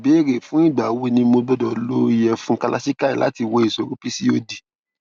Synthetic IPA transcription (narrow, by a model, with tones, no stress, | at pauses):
be˨˦ɾe˨fũ˦i˦˨ɡ͡ba˨we˧nĩ˧mo˧ɡ͡bɔ˧dɔ˨lo˦i˦jɛ˧fũ˦ka˦˧lʔa˦si˦ka˦i˨lʔa̰˨˦ti˧wɔ˧i˨so˨ɾũ˦pi˦si˦o˦di˨